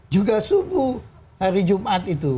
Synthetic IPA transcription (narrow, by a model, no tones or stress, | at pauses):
d͡ʒuɡasubu | haɾid͡ʒumʔat̪it̪u